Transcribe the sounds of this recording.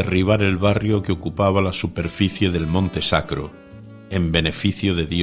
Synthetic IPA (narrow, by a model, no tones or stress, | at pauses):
eriβ̞aɾe̞lβarjo̞keokupaβ̞alasupe̞ɾfiθje̞ðe̞lmõnt̪e̞sakɾo̰ | e̞mbe̞ne̞fiθjoðe̞ðj